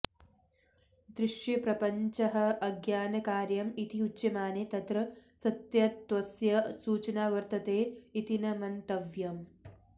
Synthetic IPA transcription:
d̪ɾɪʃjɐpɾɐpɐɲt͡ʃɐɦɐʔɐɡjaːnɐkaːɾjɐmit̪iutːɐmaːnet̪ɐt̪ɾɐsɐt̪jɐt̪ʋɐsjɐsuːt͡ʃɐnaːʋɐɾt̪ɐt̪eːit̪inɐmɐnt̪ɐʋjɐm

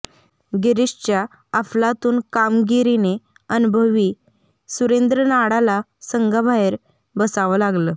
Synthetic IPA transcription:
ɡeɾiɕt͡ɕjaː | flat̪uːnkamɡiɾine | ənubʱəʋiː | suɾend̪ɾənaɽala | səŋɡabʱaɦeɾ | bəsaʋəlaɡləː

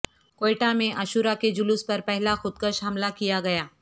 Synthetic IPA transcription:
koeʈamẽʔɐʃʊːɾaked͡ʒʊlʊspɐɾpɛɦlaxʊd̪̚kəʃɦɐmlakijaɡɐjaː

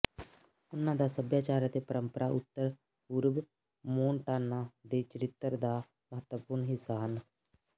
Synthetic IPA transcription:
ʊnːãːd̪aːsəbjaːt͡ʃaːɾat̪eːpəɾəmpəɾaːʔʊt̪ːəɾ | uːɾb | moːnʈaːnːãːd̪eːt͡ʃəɾɪt̪ːəɾd̪aː | məɦət̪wəpʊɾɳɦɪsaːɦən

